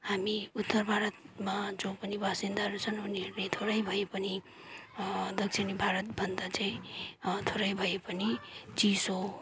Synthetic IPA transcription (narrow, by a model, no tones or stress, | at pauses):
hamiut̪ːʌɾbʱaɾʌt̪mad͡zõpʌnibasind̪aɾut͡sʰʌnuniɦeɾnet̪ʰoɾʌjbʱʌjepʌni | d̪ʌk̚t͡ʃʰinibʱaɾʌt̪bʱʌnd̪at͡saĩt̪ʰoɾʌjbʱʌjepʌnit͡siso